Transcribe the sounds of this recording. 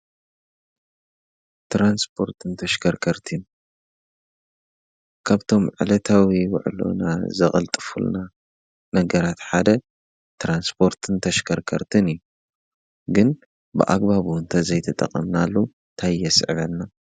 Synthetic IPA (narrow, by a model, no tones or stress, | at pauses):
t̪ɾanspʰo̞ɾt̪ʰɨnt̪ʰɐʃkʰɐɾkʰɐɾt̪ʰɨn | kʰaβt̪ʰo̞mʕɨ̰lɐt̪ʰawiwa̰ʕlo̞̰nazɐχʼɐlt̪ʼɨfṵlna | nɐɡɐɾat̪ħad̪ɐ | t̪ɾanspʰo̞ɾt̪ʰɨnt̪ʰɐʃkʰɐɾkʰɐɾt̪ʰɨnɨjːu | ɡɨn | bɨ̰ʔa̰ɡbaβuɨnt̪ʰɐzɐjt̪ʰɐt̪ʼɐ̰qʼɐmnalːu | nt̪ʰajːɛsɨ̰ʕβɐnːa